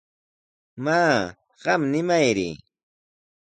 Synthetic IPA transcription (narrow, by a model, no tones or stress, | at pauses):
maː | ɢɑmnɪmajɾɪ̰